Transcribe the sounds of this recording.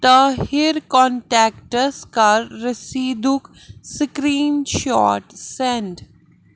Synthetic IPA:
t̪əhɪɾkɔ̃ːɳʈɛːkʈəɾskɐɾːəsiːd̪ʱuk | səkɾiːnʃɔːʈsẽɳɖ

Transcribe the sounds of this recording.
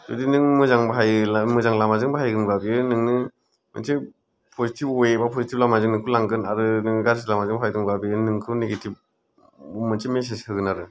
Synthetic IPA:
dṵdinɯŋmɯzaŋbɦajmɯzaŋlamazɯŋbaɦajɡɯnbabiɯnɯŋnɯ | mɯ̰ntʰi | pʰɔzitʰipɔjebapʰɔzitʰip̚lamazɯŋnɯŋkʰulaŋɡɯnaɾɯnɯŋnɯɡaɾsilamazɯŋbʰajdɯŋbabiɯnɯŋkʰɯwneɡitʰip̚ | umɯntʰimes̬esʰɯɡɯnaɾɯ

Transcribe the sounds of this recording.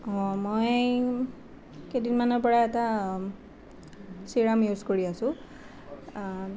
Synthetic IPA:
ɔ̃moj | kedinmanɔɹpɔɹaɛta | siɹamjuzkoɹiasʊ̃

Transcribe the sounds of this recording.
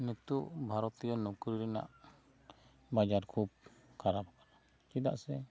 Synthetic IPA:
nɛt̪uʔbʱaɾɔt̪ijɔnukɾiɾɛna̰ʔ | bad͡ʒaɾkʰub̚kʰaɾap̚kana | t͡ʃid̪a̰ʔsɛ

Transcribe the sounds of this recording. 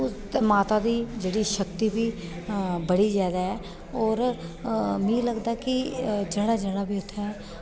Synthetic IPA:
ʊsmaːt̪aːd̪iːd͡ʒeːɽiːʃəkt̪iːbiː | bəɽiːzjaːd̪aːɛː | ɔːɾ | mĩːləɡd̪aːkɪd͡ʒeːɽaːd͡ʒeːɽaːbiːʊt̪ʰːɛ

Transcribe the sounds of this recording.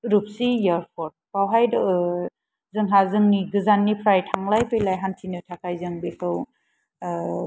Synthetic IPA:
ɾup̚sijaɾpʰɔɾt̚pawɦajd | zɯŋɦazɯŋniɡɯzanːipʰɾajtʰaŋlajpejlajɦantʰinɯtʰakʰajzɯŋbekʰɯw

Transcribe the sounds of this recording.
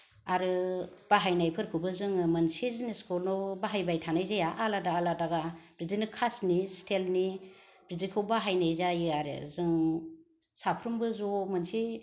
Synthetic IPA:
aɾɯb̥aɦajnajpʰɯɾkʰɯbɯzɯŋɯmɯnsizniskʰulnɔbaɦajbajtʰanajzajaʔaladaːladaɡab̥ɾidinɯkʰasnistʰelni | b̥ɾizikʰɯwbaɦajnajzajaɾɯ̰zɯŋ | sapʰɾɯmbɯzɔmɯnsi

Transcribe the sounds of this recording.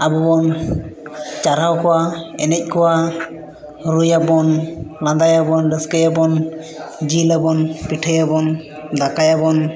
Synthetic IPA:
abɔbɔn | t͡ʃaɾawkʰɔwaɛnɛc̚kʰɔwa | ɾujabɔnlãnd̪ajabɔnɖəskəjabɔn | d͡ʒilabɔnpiʈʰəjabɔn | d̪akajabɔn

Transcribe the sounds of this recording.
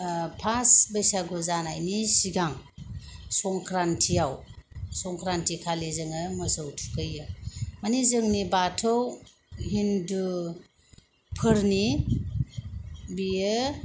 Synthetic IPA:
pʰasbəjsaɡuzanajnisiɡaŋ | sɔŋkʰɾantʰijawsɔŋkʰɾantʰikʰalezɯŋɯmɯsowtʰu̥kɯjɯmanizɯŋnibatʰɔw | ɦindu | pʰɯɾni | bijɯ

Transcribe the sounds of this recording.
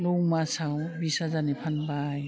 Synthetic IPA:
lɔwmasawbisazanipʰanbaj

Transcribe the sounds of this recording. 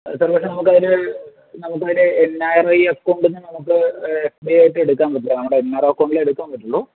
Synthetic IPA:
saːrpɐkʂenɐmuk̬ːɐðiɾɨ | nɐmukːɐðiɾeenːaːjɐrɐjɐkːoːɳɖenːɨnɐmukːɨesbijaːjiʈːɨe̞ɽukːaːnpɐʈːuɭːɐnɐmːuɽeenːaːjɐrɐɐkːoɳɖileɽukːaːmpɐʈːuɭːoː

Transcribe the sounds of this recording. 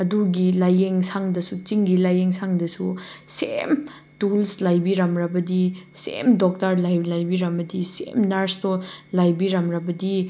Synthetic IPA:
ɐduɡilajeŋsʰaŋdɐsut͡ʃiŋɡilajeŋsʰaŋdɐsusem | tulslajbiɾɐmɾɐbɐdisḛmdok̚tɐɾlajlajbiɾɐmbɐdisḛmnɐɾstolajbiɾɐmɾɐbɐdi

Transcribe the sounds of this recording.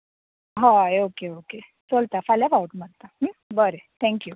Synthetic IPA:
ɦãokeoke | t͡solt̪afalafauʈmaɽt̪aɦ̩bəɾet̪ʰɛ̃ŋkju

